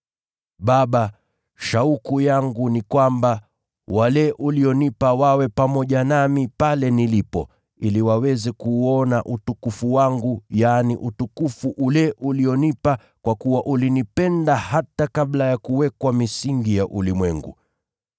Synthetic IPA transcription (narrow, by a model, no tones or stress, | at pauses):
ɓaɓa | ʃaukujaŋɡunikwamba | walɛʔuliɔnipawawɛpamɔʄanamipalɛnilipɔ̰ | iliwawɛzɛkuːɔnaʔutukufuwaŋɡujaniʔutukufuʔulɛʔuliɔnipa | kwakuwaʔulinipɛndahatakaɓlajakuwɛkwamisiŋɡijaʔulimwɛŋɡṵ